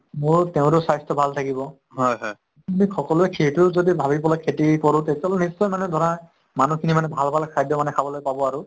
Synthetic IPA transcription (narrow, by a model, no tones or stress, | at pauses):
mʊɹteʊ̃tɛsajstɔbʱaltʰakibɔ | ɦɔjɦɔj | umixɔkɔluɛkʰetʊzodibʱabipɔlakʰetikɔɹʊtetalnisːɔjmanɛdʱɔɹa | manukʰinimanɛbʱalbʱalkʰajdjɔmanɛkʰabɔlojpabɔaɹʊ